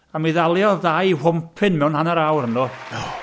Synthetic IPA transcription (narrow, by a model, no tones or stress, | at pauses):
amiðalˠjɔðajhʊmpʰɨnmɛwnhanaɾawɾənɔ